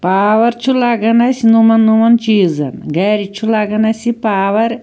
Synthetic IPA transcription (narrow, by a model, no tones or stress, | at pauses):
paːʋɐɾt͡ʃʰulaɡɐnɐsʲinumɐnːumɐnt͡ʃiːzɐ̰nɡɐɾit͡ʃʰulaɡɐnɐsʲipaːʋɐɾ